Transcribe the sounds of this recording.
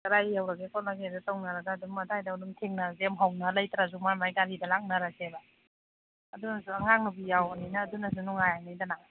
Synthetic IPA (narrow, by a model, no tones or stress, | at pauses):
kɐɾajːawɾaɡekɔnlaɡezutawnaɾɐɡaːdumːɐtʰajdaudumtʰiŋnaɾzemɦawnalɐjtɾazumajmajɡalidalaŋ̚naɾaseba | ɐdunɐsuaŋaŋnubijawninɐːdunɐs̬unuŋajanajdana